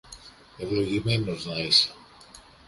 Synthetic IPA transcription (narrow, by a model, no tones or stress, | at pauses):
e̞vlo̞ʝime̞no̞znɐise̥